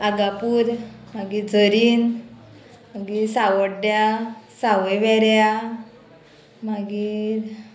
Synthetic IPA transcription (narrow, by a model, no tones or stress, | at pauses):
aɡapuːɾmaɡid͡zəɾiːn | maɡiːsaʋəɽɖjasaʋəjʋɛɾja | maɡiɾ